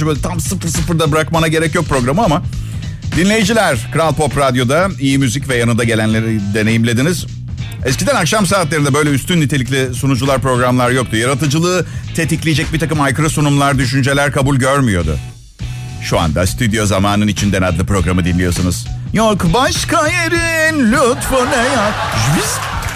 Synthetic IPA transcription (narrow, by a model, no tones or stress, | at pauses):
bøt̪ʰamsɯflˠsɯfɯɾd̪abɯɾakmanaɟe̞ɾɛcjo̞k̚pɾo̞ɡɾamɯama | d̪inlʲe̞jid͡ʒilʲæɾkɯɾalˠpʰo̞pɾad̪jo̞d̪aijimyzicvɛjanɯnd̪aɟe̞lʲænlʲed̪e̞ne̞jimlʲe̞d̪iniz̥ | ɛs̬cʰid̪ænakʃamsaːt̪lʲeɾind̪ɛbø̞jlʲɛyst̪ʰynːit̪ʰe̞lʲic̬ʲlʲisunud͡ʒulˠaɾpɾo̞ɡɾamlˠaɾjo̞k̚t̪ujaɾat̪ɯd͡ʒɯlˠɯːt̪ʰet̪iclʲijd͡ʒɛc̚bit̪akɯmajkʰɯɾɯsunumlˠaɾd̪yʃ̬ynd͡ʒe̞lʲæɾkʰabulʲɟøɾmyjo̞d̪ʊ̰ | ʃua̰nd̪ast̪ʰyd̪jo̞zamaːnɯnit͡ʃʰind̪enad̪lʲipɾo̞ɡɾamɯd̪inlʲijo̞sunuz̥ | jokbaʃkajeɾinlʲɔt̪fonajaʒisʲ